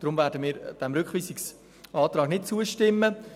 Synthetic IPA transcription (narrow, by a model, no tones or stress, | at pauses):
d̥ɾʊmvɛːɾdəmiːɾd̥ɛmɾʏkχʋiːsɪks | ʔɑːt̪ɾɑːɡ̥nɪt̚t͡suəʃtɪmːə